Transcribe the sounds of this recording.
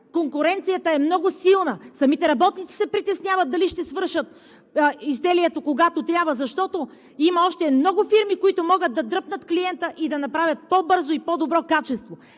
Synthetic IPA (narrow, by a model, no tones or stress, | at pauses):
koŋkʊɾɛnt̪sijət̪ɐɛmnɔɡʊsilˠnəsɐmit̪ɛɾɐbɔt̪nit̪si̥sɛpɾit̪ɛsnʲjavɐt̪̚d̪ɐliʃt̪ɛsvɤɾʃət̪ː | izd̪ɛliɛt̪okoɡat̪ot̪ɾʲabvəzɐʃt̪ɔt̪o | imɐɔʃt̪ɛmnɔɡʊfiɾmikoit̪omɔɡət̪̚d̪ɐd̪ɾɤpnət̪kliɛnt̪əʔid̪ɐnɐpɾavʲət̪̚pɔbɤɾzoipɔd̪obɾɔkat͡ʃɛst̪vo